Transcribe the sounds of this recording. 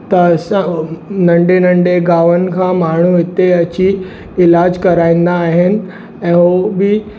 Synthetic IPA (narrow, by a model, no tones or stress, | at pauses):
t̪ɐsãnɐ̃ɳɖenɐ̃ɳɖeɡaːʋənɪ̆kʰãːmaːɳ̤uɪt̪eɐt͡ɕi | ɪlaːd͡ʑkɐɾaːĩːn̆d̪aːɦɪnɪ̆ | ɛ̃ːɦobɪ